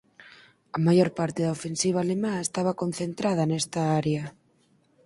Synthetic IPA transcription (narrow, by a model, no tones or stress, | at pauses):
ɐmajoɾpaɾt̪eðɐofensiβ̞aːlemaest̪aβ̞ɐkonθent̪ɾaðɐnɛst̪ɐaɾeɐ